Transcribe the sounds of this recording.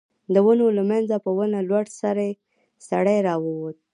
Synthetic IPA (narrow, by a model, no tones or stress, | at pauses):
d̪əwənolamanzapəwənalwaɽsaɾaje | saɽajɾɑwəwot̪̚